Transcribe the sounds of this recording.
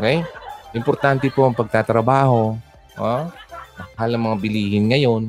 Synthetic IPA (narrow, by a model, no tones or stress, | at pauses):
ʔokɛjʔɪmpoɾt̪ant̪ɛpo̞ʔɐŋpɐɡ̚t̪at̪ɾɐbaːho̞ | ʔomɐɦalɐŋmɐŋabɪliːhɪnŋɐjo̞n